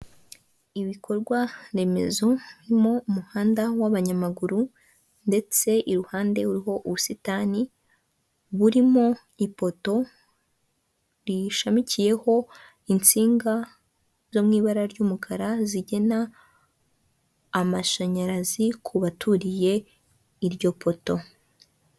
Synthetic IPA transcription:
iβikʰo̞ɾɡwaɾe̞me̞̰zo̞βiɾimo̞umuhaːndawaβaɲamaɡuɾu | nde̞t͡se̞ʔiɾuhaːnde̞uɾiɦo̞ʔuβusitani | βuɾimo̞ | ipo̞to̞ | ɾiʃamicije̞ho̞ | int͡siːŋɡa | z̥o̞mŋiːβaɾaɾɟuːmukʰaɾaziɟe̞na | maʃaɲaɾazikʰuβatʰuɾije̞ | iɾɟo̞pʰo̞to̞

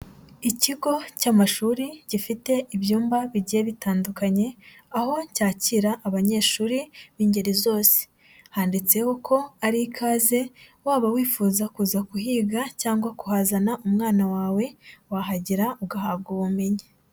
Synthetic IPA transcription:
iciɡo̞caːmaʃuːɾiɟ̥ifite̞ʔiβjuːmbaβiɟijeβitaːndukaɲe̞ | aho̞caːciɾaʔːβaɲe̞ːʃuːɾiβiːɲɟeɾizo̞ːse̥ | haːndit͡se̞hokʰo̞aɾikʰaːze̞waːβawiːfuːzakuːzakuɦiːɡacaːŋɡwakuhazanaumŋaːnawaːwe̞waɦaɟiɾauɡaɦabɡuβume̞ɲe

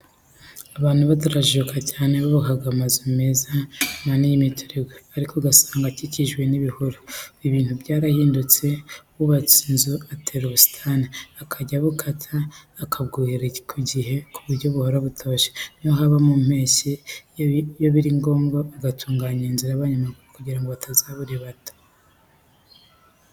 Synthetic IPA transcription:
aβaːn̥huβatuɾaʒukʰacaːneβaβakaɡamazimezananijimitʰoɾeɡweaɾikoɡasḁːŋɡaciciʒɡwe̞niβihuɾoiβiːnhubɟaːɾahiːndut͡se̞βuβat͡sinzuatʰeɾosi̥tʰaniakʰaɟaβukʰatʰaːkʰabɡuɾekʰuɟiɦe̞kʰuβuɾɟoβuhoɾaβutʰo̞ʃe̥noɦaβamum̥he̞ːʃe | joβiɾiŋɡo̞ːmɡoːɡatʰuːŋɡaːɲeːnziɾaβaɲumakuɾokuɟiɾaŋɡoβatʰazaβuɾeβatḁ

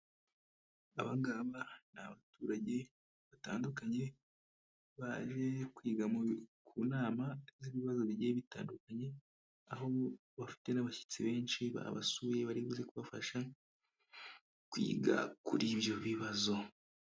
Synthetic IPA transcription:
a̰βaŋɡaːβanaβatuːɾaɟe̞ | βata̰ːndukaɲe̞ | βaʒe̞kwiːɡamukʰuːnaːmaziβiβazo̞βiɟijeβita̰ːndukaɲe̞ | aho̞ | βafi̥te̞naβaçi̥t͡siβe̞ːnʃiβa̰βa̰sujeβaɾiβuzekuβafa̰ʃa | kwḭːɡa̰kuɾiβjo̞βiβazo̞

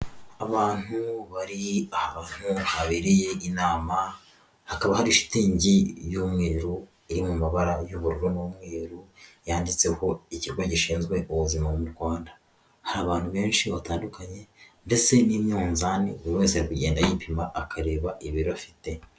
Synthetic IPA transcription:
aβaːn̥huβaɾiahan̥huhaβiɾije̞inaːma | hakaβahaɾiʃi̥tiɲɟijumŋiːɾɾu | iɾimumaβaɾajuβuɾuɾomowumŋweːɾujaːndit͡se̞ho̞iciɾɡoɟiʃiːnzɡwe̞ʔuβuzimaβomuɾɡwaːnda | haɾaːβaːn̥huβe̞ːnʃiβataːndukaɲe̞nde̞se̞niːmɲoːnzanḭuβuɾiweːnsehaɾikuɟe̞ːndajipʰimaʔːkʰaɾe̞ːβaʔiβiɾiβafi̥te̞

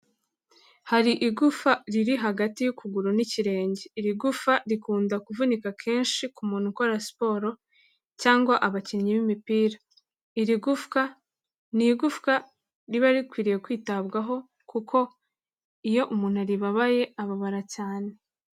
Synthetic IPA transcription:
haɾiʔiɡufaɾiɾiɦaɡatijukuɡuɾuniciɾe̞ːɲɟeiɾiɡufaɾikuːndakuvunikakʰe̞ːnʃikumuːn̥huko̞ɾasi̥po̞ːɾo̞ | caːŋɡwaʔaβaciɲiβimipiːɾa | iɾiɡufka | niɡufka | ɾiβaɾikwiːɾije̞kwiːtaβɡaɦo̞ | kukʰo̞ | ijo̞ʔumuːn̥huɾiβaβaje̞aβaβaɾacaːne̞

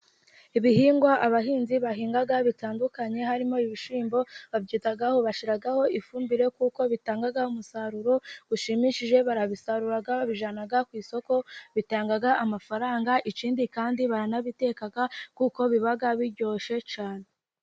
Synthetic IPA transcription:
iβihiːŋɡwaʔaβaɦiːnziβaɦiːŋɡaɡaβitaːndukaɲe̞ɦaɾimo̞iβiʃiːmbo̞βabɟiːtaɡaho̞βaʃiɾaɡaho̞ʔifuːmbiɾe̞kuko̞βitaːŋɡaɡaumusaɾuɾo̞ɡ̥uʃimiʃiʒe̞βaɾaβisaɾuɾaɡaβiʒanaɡakwiːso̞ko̞βitaːŋɡaɡaʔamafaɾaːŋɡaʔit͡ʃiːndikaːndiβaɾanaβite̞ːkaɡakuko̞βiβaɡaβiɾɟo̞ʃe̞t͡ʃaːne̞

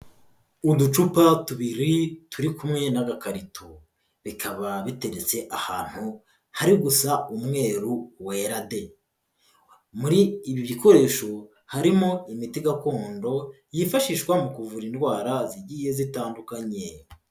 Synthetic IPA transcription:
udut͡ʃupatuβiɾituɾikumŋe̞naɡakaɾitʰo | βikʰaβaβite̞ɾet͡se̞ʔahaːn̥hu | haɾiɡusaumŋe̞ːɾuweɾade̞ | muɾiːβiβiko̞ɾe̞ːʃo̞ | haɾimo̞imitiɡako̞ːndo̞ | jifaʃiːʃkwamukuvuɾindɡwaːɾaziɟiːje̞zitaːndukaɲe

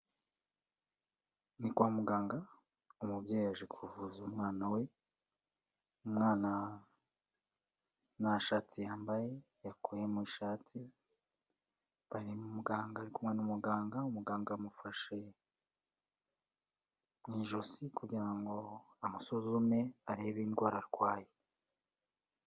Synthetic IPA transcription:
nikwamuɡaːŋɡa | umubɟaːjaʒekʰuvuzumŋaːnawe̞ | umŋaːna | naʃaːtʰijaːmbaje̞ | jakʰoje̞mwiʃaːtʰi | βaɾimumuɡaːŋɡaːɾikumŋe̞numuɡaːŋɡaumuɡaːŋɡamufaʃe̞ | mŋiʒosikuɟiɾaŋɡo̞ | amasozume̞aɾe̞ːβiːnɡwaːɾaɾɡwaːje

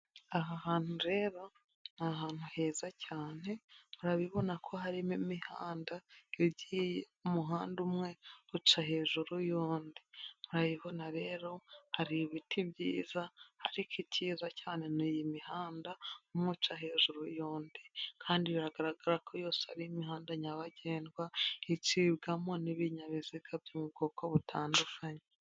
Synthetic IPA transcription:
aɦahaːn̥uɾe̞ːɾo̞ | naɦaːn̥huhe̞ːzacaːne̞muɾaβiβo̞nakʰo̞ɦaɾimimihaːndaeɾɟiːje | umuɦaːndumŋe̞ut͡ʃaɦe̞ːʒuɾujoːndimuɾaβiβo̞naɾe̞ːɾo̞haɾiβitʰibɟiːzahaɾikiciːzacaːne̞nijimihaːndaumŋut͡ʃaɦe̞ːʒuɾujoːndikʰaːndiβiɾaɡaɾaɡaɾakʰojo̞ːse̥ha̰ɾiimiɦaːndaɲaβaɟeːnɡwait͡ʃibɡamo̞niβiɲaβiziɡabjomub̚ɡo̞koβutʰaːndufaɲe

